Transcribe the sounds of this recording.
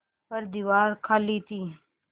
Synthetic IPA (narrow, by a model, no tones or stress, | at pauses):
pəɾd̪iʋaːɾkʰaliːt̪iː